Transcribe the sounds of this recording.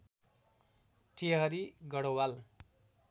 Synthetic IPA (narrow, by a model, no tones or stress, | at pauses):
ʈʰeɦʌɾiɡʌɽowal